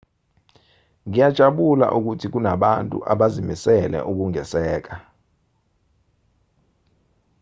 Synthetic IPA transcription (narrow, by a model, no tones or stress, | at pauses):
ŋijad̥ʒ̥ʱaɓula̰ʔuk̬utʰik̬unaɓantʼṵʔa̰ɓazimisɛlɛ̰ʔuk̬uŋɛsɛːk̬a